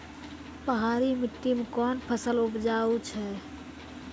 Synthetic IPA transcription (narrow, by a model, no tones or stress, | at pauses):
pəɦaːɾimɪʈ̪ːimekɔːnpʰəsəlʊpd͡ʒaːut͡ʃʰɛː